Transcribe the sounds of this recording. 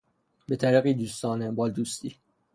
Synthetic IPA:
bet̪ʰæɾiɣiːd̪uːst̪ɒːnebɒːld̪uːst̪iː

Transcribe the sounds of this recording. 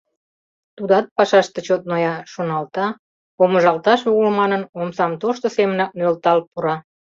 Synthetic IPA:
t̪ud̪ɑt̪̚pɑʃɑʃt̪ĕt͡ɕot̪̚nojɑʃonɑlt̪ɑ | oməʒɑlt̪ɑʃuɣəlmɑnənomsɑmt̪oʃt̪osemənɑk̚nølt̪ɑlpuɾɑ

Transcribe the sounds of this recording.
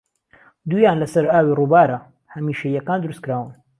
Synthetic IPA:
d̪ujaːnlɐsɐɾaːwirubaːɾɐ | hɐmiːʃɐjɐkaːnd̪ʊɾuskɨɾaːwɨn

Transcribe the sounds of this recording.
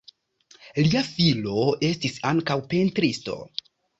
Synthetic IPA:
liafilo̞ʔe̞stisaŋkawpe̞ntɾisto̞̰

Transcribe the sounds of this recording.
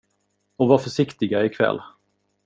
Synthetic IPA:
ɔvaɾfœʂɪkt̪ɪɡaɪkʰvɛ̰lː

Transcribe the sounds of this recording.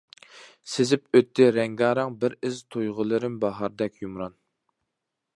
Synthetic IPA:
sɪzɪpøt̪ʰːɪɾɛŋɡɑːɾɑŋbɪɾɪzt̪ʰojʁəlˠɨɾɪmbɑɦɑɾd̪ɛkʲjumɾɑn

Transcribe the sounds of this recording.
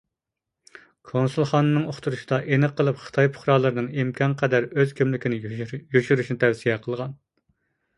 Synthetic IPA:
kʰonsulˠχɑːnːɨnɨŋoχt̪ʰuɾuʃi̥d̪ɑʔenɨqʰːəlˠɨpχə̥t̪ʰɑjpʰʊ̥χɾɑːlˠɨɾɨnɨŋimkʰʲɑnqʰɛd̪æɾøzkʲʰemlɪkʲinɪjyʃyɾyʃnɪt̪ʰɛwsijɛqʰəlˠʁɑn

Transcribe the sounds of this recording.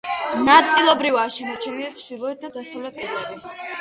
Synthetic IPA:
nat̪sʼilˠɔbɾivaʃɛnɛt͡ʃʰɛmiɛɾt͡ʃʰd̪̥ilˠɔɛt̪̚d̪ad̪asavlɛt̪ʰɛɾd̪ɛbi

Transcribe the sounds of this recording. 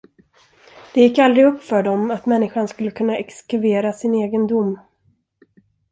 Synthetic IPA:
d̪̥ɛjɪkːald̪ɾɪɡɵpːfœɖɔmat̪mɛnːɪɧanskɵlːəkʰɵnːaʔɛkskɵveːɾasɪneːɡənd̪ʊmː

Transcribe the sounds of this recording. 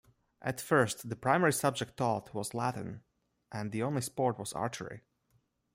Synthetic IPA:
ʔætfɜ˞stðəpʰɹ̥ãɪmɛɹisʌb̚d͡ʒɛk̚tʰːɔtʰwɔzlætn̩ | ʔæ̃nðiõʊ̃nlispɔɹt̚wɔzɑ̰ɹt͡ʃə˞ḭ

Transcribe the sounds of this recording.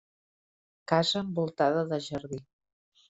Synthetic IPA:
kazəːmbulˠt̪aðəðəʒəɾði

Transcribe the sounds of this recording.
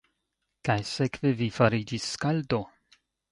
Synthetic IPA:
kajsekvevifaɾid͡ʒisːkald̪o

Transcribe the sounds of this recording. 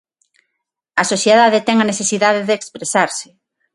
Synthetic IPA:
ɐsoθjeðaðet̪ɛŋɐneθesiðaðeðeːkspɾesaɾsɪ̥

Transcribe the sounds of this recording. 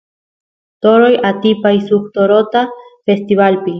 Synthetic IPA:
t̪o̞ɾojat̪ipajsuxt̪oɾo̞t̪afe̞st̪iβalpi

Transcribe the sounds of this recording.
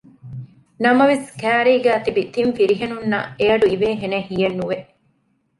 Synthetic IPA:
nɐmɐʋeskæːɾiːɡæːt̪ibit̪iɱfiɾiɦenunːɐ̰eɐɖuiʋeːɦenehijɐnːuʋeʔ

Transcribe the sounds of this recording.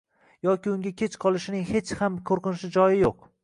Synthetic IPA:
jɒkʲiʊŋɡʲakʲʰet͡ʃqʰɒlˠɪʃɪnɪŋhe̞t͡ʃhamkʰoɾqɨnɪʃɪd͡ʒɒjɪjoq

